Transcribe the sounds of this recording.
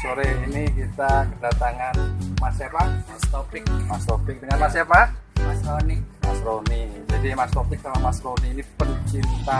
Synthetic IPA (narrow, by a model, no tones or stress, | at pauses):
soɾɛhinikit̪akədat̪aŋanmasapahmast̪opɪk̚mast̪opɪk̚bəɲamasapamasɾonima̰sɾonid͡ʒadimast̪opɪk̚samamasɾoniːnipənt͡ʃint̪a